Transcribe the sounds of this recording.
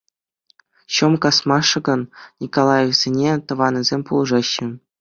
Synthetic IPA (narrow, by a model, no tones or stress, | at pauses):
ɕɤ̆mkɑsmɑʂɤ̆ɡɤ̆nnʲikolˠɑjefz̥ʲenʲet̪ɤ̆ʋɑnʲɤ̆zʲemʲpulˠɤʐɑɕːɘ̆